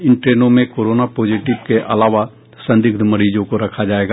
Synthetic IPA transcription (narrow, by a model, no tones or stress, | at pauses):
ɪnʈɾeːnõmẽkoːɾoːnapoːd͡ʒiːʈɪʋkeʔɐ̰laːʋa | sɐ̃nd̪ɪɡd̪ʱmɐɽid͡ʒõkoɾɐkʰad͡ʒaːeːɡaː